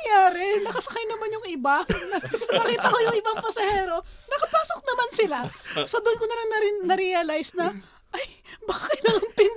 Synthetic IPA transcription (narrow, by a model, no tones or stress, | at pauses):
jaːɾɛnɐkɐsɐkajnɐmanjʊŋɪbanɐnɐkiːt̪ɐkojʊŋɪbaŋpɐsɐhɛːɾo̞nɐkɐpaːso̞k̚nɐmansɪlasod̪ʊnkonɐɾɐŋnɐɾnɐɾɛalajsnɐ | ʔɐjbaːkɪt̪nɐŋɐŋpɪn